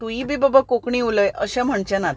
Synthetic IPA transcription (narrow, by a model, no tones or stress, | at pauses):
t̪uibibəbakokɳĩuləjʔəɕãm̤əɳt͡ɕanat̪